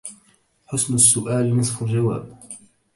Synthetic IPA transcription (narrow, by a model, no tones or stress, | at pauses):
ħʊsnasːʊʔaːlnɨsˤfald͡ʒawa̰ːb